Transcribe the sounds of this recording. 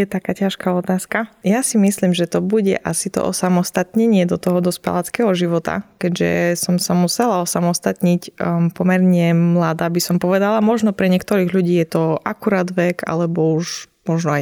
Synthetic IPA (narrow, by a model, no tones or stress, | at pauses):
jɛt̪akaːcaʃkaɔt̪aːskajasimisliːmʒɛt̪ɔbuɟɛ̰ʔasit̪ɔ̰ʔɔ̰samɔst̪at̪ɲɛɲɪɛd̪ɔt̪ɔɦɔd̪ɔspɛ̰lat͡skɛɦɔʒiʋɔt̪a̰kɛɟʒɛ̰sɔmsamusɛlaɔsamɔst̪at̪ɲicpɔmɛɾɲɛmlad̪aːbisɔmpɔʋɛd̪alamɔʒnɔpɾɛɲɪɛkt̪ɔɾiːɣʎuɟiːjɛt̪ɔʔakuɾaːd̪ʋɛɡʰa̰lɛbɔuʃmɔʒnɔ